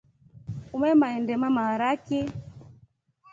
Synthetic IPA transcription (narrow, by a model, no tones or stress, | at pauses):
umɛmaɛndɛmamaɾakɛ